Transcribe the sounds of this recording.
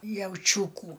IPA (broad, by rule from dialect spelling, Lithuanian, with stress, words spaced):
jɛʊˈt͡ʃʲuːkuː